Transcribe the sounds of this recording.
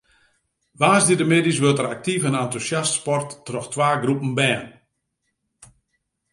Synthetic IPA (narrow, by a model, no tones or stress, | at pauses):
ʋaːsdidəmeːdisʋøtərak̚tifənantusjastspɔrtːrɔxtʋaːɡrupən̩bɛːn